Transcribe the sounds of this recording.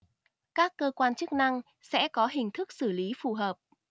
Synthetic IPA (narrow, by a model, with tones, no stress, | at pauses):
kaː˦˥kːəː˧kwaː˧nt͡ɕɨ˦˥k̚na˧ŋ | sɛ̰˧˥kɔ˨˦ɦï˨˩ŋ̟t̪ʰɨ˦˥k̚sɨ˧˩li˨˦fu˨˩ɦəː˨˩p̚